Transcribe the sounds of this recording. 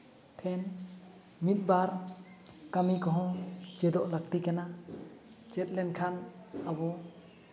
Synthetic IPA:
tʰɛn | mit̪̚ˀbaɾ | kamikɔɦɔ̃d͡ʒɛd̪ɔʔlakʈikana | d͡ʒɛt̪̚lɛnkʰanabɔ

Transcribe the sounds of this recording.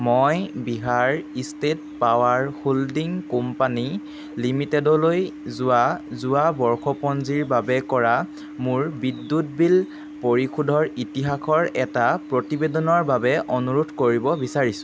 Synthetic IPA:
mojbiɦaɹistet̚ | pawaɹholdiŋkumpani | limitɛdɔlojzʊwazʊwabɔɹxʰɔpɔnziɹbabɛkɔɹa | mʊɹbidːut̚bil | poɹikʰudʱɔɹitiɦakʰɔɹɛtapɹotibedɔnɔɹbabɛʔɔnuɹutʰkoɹibɔbisaɹisʊ̥̃

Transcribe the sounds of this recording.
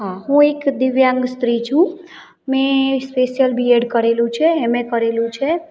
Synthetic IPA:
ɦãɦũekd̪ɪʋjãŋɡst̪ɾit͡ʃʰũ | mẽspesjəlbʱieɖkəɾelũt͡ʃʰɛɦemẽkəɾelũt͡ʃʰɛ

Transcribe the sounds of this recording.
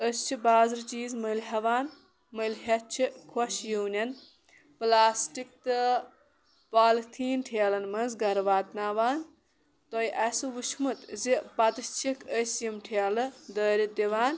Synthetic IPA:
əst͡ʃʰibaːzɾt͡ʃiːzmɐlɦɐʋaːn | məlɦɐt͡ʃʰikʰwɐʃjuːnʲɐn | plaːsʈik̚t̪ɨ | paːlt̪ʰiːnʈʰeːlɐnmɐnzɡɐɾʋaːt̪naːʋaːn | t̪ojʔɐsɨʋuʃmɐt̪zipɐt̪ɨt͡ʃʰikəsjimʈʰeːlɨd̪əːɾʲit̪iʋaːn

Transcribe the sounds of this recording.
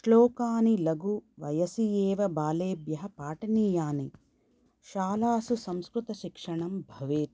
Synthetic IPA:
ʂlɔːkaːnilɐɡuʋɐjɐsijeːʋɐbaːleːbjɐɦɐpaːʈɐniːjaːni | ʃaːlaːsusɐmskɾut̪ɐʃikʂɐɳɐmbʱɐʋeːt̪

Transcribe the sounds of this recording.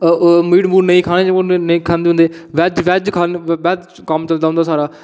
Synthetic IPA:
miːɽmbuːɾnəĩːkʰaːɽ̃eːd͡ʒeonəĩːkʰaːnd̪eːʊ̃nd̪eːʋɛd͡ʒʋɛːd͡ʒkʰaːnʋɛːd͡ʒ | kəmt͡ʃəlnd̪aːɦʊnd̪aːsaːɾaː

